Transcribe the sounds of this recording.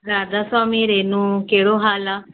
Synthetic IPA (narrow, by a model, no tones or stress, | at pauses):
ɾaːd̪aːswaːmiːɾeːnũːkeːɽoːɦaːlaː